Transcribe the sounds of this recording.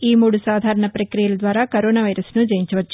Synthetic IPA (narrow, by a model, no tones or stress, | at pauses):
iːmuːɽusaːd̪ʱaːɾɐɳɐpɾɐkɾijɐlɐd̪ʋaːɾaːkɐɾoːnaːʋɐjɾɐsnud͡ʒɐjiɲt͡ʃɐʋɐt͡ʃːu̥